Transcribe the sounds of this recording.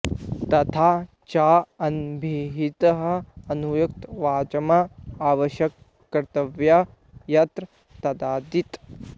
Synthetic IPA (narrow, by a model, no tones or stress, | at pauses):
t̪ɐt̪ʰaː | t͡ʃaːɐnbʱiɦit̪ɐɦɐɐnujuk̚t̪ʋaːt͡ʃɐmaaːʋɐʃjɐkː | ɐɾt̪ɐʋja | jɐt̪ɾ | t̪ɐd̪aːd̪it̪